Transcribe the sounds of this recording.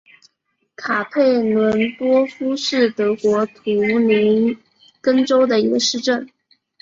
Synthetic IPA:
kʰa˨˩pʰe˥˩ɪnwə˧˥nt̪wɔ˥fu˥ʂɻ̩˥˩t̪ɤ˧˥kwɔ˧˥t̪ʰu˧˥ni˧˥n | kə˥ŋʈ͡ʂo˥ʊd̪ə˨i˧˥ɡə˧ʂɻ̩˥˧ʈ͡ʂə˥˩n

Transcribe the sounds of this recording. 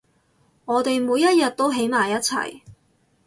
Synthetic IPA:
ŋɔː˨˧t̪e˨jmuː˨˧jːɐ˥t̚jɐ˨t̚t̪ːo˥wɦe˨˥jmaː˨˩jɐ˥t̚t͡sʰɐ̰˨˩j

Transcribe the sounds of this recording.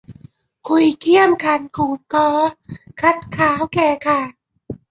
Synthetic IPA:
kʰu˧jkʰi˥˩əmkʰa˧˩nkʰuː˨˩t̪ɔː˦˥kʰa˦˥t̪̚kʰaː˨˦˥wkɛː˧˩kʰa˥˩

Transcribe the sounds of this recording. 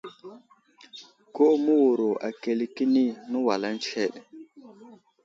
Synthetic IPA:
ko˦mu˦wu˨ɾo˨ʔa̰˨ke˨li˦ki˦ni˦nə˦wa˨la˦n˦t͡ʃe˦˨ɗ

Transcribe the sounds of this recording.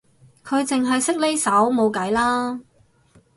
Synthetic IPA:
kʰɵ˨˧ɥt͡sɪ˨ŋɦɐ˨jsɪ˥k̚le˥jsɐ˨˥wmo˨˧wkɐ˨˥jlaː˥

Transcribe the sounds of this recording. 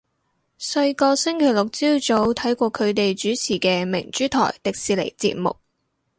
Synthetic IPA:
sɐ˧ɥkɔː˧sɪ˥ŋkʰe˨˩jlʊ˨k̚t͡siː˥wt͡so˨˥wt̪ʰɐ˨˥jkʷɔː˧kʰɵ˨˧ɥt̪e˨jt͡ʃyː˨˥t͡sʰiː˨˩kɛː˧mɪ̰˨˩ŋt͡ʃyː˨˥t̪ʰɔ̰ː˨˩jt̪ɪ˨k̚siː˨˧le˨˩jt͡sḭː˧t̚mʊ̰˨k̚

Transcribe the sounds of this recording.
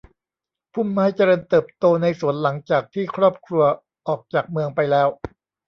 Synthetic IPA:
pʰu˥˩mːaː˦˥jt͡ɕa˧ɾɤː˧nt̪ɤː˨˩p̚t̪oː˧na˧jsu˨˩˦ənla˩˦ŋt͡ɕaː˨˩k̚t̪ʰiː˥˩kʰɾɔː˥˩p̚kʰɾu˧ɐ | ʔɔː˨˩k̚t͡ɕaː˨˩k̚mɯ˧əŋpa˧jlɛː˦˥w

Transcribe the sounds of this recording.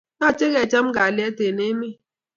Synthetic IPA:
na˦˨t͡ʃe˦ɣɛ˨t͡ʃa˦m˦ɡa˨lɪ˦ɛ˦te˨ne˦mi˦˨

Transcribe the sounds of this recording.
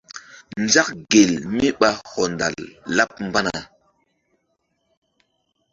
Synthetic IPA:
nza˦k̚ɡe˨lmi˦ɓa˦hɔ˨nda̰˨lːa˦p̚m˦ba˦na˨

